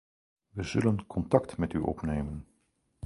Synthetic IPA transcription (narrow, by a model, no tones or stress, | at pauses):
ʋəzɵlənkʰɔntɑktmɛtyʔɔ̰pnejmən